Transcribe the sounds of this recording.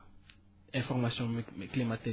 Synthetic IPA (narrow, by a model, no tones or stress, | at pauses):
ɛ̃fɔʁmasjɔ̃klimat̪ɛ